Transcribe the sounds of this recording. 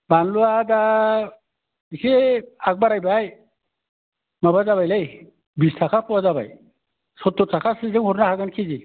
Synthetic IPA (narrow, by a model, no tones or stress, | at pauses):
banluada | ikʰeak̚baɾajbaj | mabazaβajlaj | bistʰakʰapʰɔwazaba̰j | sɔtːɔtʰakʰasɯzɯŋhɔɾnahaɡankʰizi